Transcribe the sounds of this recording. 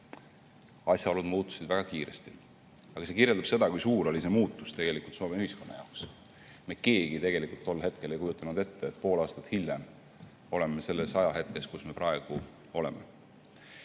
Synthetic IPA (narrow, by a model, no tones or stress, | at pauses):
ɑsʲjɑolud̪̥muːt̪ːˑu̥sed̪̥væɡ̥ɑkiːɾe̞̰st̪i | ɑɡ̥ɑse̞kirjeld̪̥ɑb̥se̞d̪ɑkujsuːɾo̞lise̞muːt̪ːˑu̥st̪e̞ɡ̥e̞likult̪so̞ːme̞yhisko̞nːɑjɑ̰oks | meke̞ːɡ̥it̪e̞ɡ̥e̞likˑult̪ːo̞lːhe̞t̪ke̞le̞jkujut̪ːˑɑnud̪e̞t̪ːeet̪̚ːˑpo̞ːlɑːst̪ɑ̥t̪hiljem | o̞le̞memese̞lːesɑjɑɦe̞t̪̚ke̞skusme̞pɾɑeɡ̥u | o̞le̞̰mḛ